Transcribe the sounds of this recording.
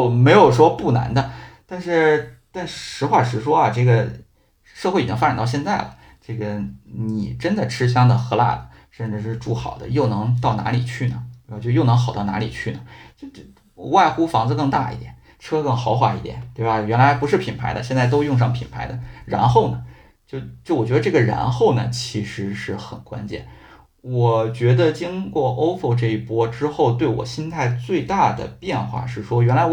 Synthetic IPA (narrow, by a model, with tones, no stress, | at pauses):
jo˥˩ʊme˧˥ɪjo˨˩ʊʂwɔ˥pu˥˩na̰˧˥nd̪ə˧t̪a˥˧nʂɻ̩˥˩˧t̪a˥˧n˩ʂɻ̩˧˥xwa˥˩ʂɻ̩˧˥ʂwɔ˥ɐ˨ʈ͡ʂɤ˥˩ɡə˩ | ʂɤ˥˧xwi˨˩t͡ɕi˥fa˥ʈ͡ʂnt̪ɑ˥˧ɕjɛ˥˧nt͡sa˥˩ɪlə̰˩ | ʈ͡ʂɤ˥˩ɡə˩ni˨˩ʈ͡ʂə˥nd̪ə˨ʈ͡ʂʰɻ̩˥ɕ̬jɑ˥ŋd̪ə˨xɤ˧˥la̰˥˩d̪ə˩ | ʂə˥˩nʈ͡ʂɻ̩˥˧ʂɻ̩˥˧ʈ͡ʂu˥˩xɑ̰˨˩ʊd̪ə̰˦jo˥˩ʊnɤ˧˥ŋt̪ɑ˥˩ʊna̰˧˥lḭ˨˩t͡ɕʰy˥˩nə˩˧˩t͡ɕjo˥˧ʊjo˥˩n˧˥ŋxɑ˨˩ʊt̪ɑ˥˩ʊna̰˧˥lḭ˨˩t͡ɕʰy˥˩nə˩t͡ɕ | wa˥˩ɪxu˥fɑ˧˥ŋd͡zɹ̩˧kɤ˥˧ŋt̪a̰˥˧ḭ˥˩t̪jɛ̰˨˩n | ʈ͡ʂʰɤ˥kɤ˥˩ŋxɑ˧˥ʊxwa˥˩ḭ˥˩d̪jɛ̰˨˩˦nt̪we˥˩ɪba˩jɥɛ˧˥nla˧˥ɪpu˧˥ʂ̬ɻ̩˥˩pʰi˨˩npʰa˧˥ɪd̪ə˧ɕ̬jɛ˥˧nt͡sa˥˩ɪt̪o˥ʊjʊ˥˧ŋʂ̬ɑ˥˩ŋpʰḭ˨˩npʰa˧˥ɪd̪ə˧ɻa̰˧˥nxo˥˩ʊnə˩ | t͡ɕjo˥˧ʊt͡ɕjo˥˩ʊwɔ˨˩t͡ɕɥɛ˧˥ə˧ʈ͡ʂɤ˥˩ɡə˩ɻa̰˧˥nxo˥˩ʊnə˩t͡ɕʰi˧˥ʂɻ̩˧˥ʂɻ̩˥˩xə˨˩nkwa̰˥nt͡ɕjɛ̰˥˩n | wɔ˨˩t͡ɕɥɛ˧˥d̪ə˧t͡ɕi˥ŋkwɔ˥˩ʔo˥ʊfo˥˧ʈ͡ʂɤ˥˧i˥˩pwɔ˥ʈ͡ʂɻ̩˥xo˥˧ʊt̪we˥˩ɪwɔ̰˨˩ɕi˥nt̪ʰa˥˧ɪt͡swe˥˧ɪt̪a˥˩d̪ə̰˩pjɛ˥˧nxwa̰˥˩ʂɻ̩˥˩ʂwɔ˥ɥɛ˧˥nla˧˥ɪ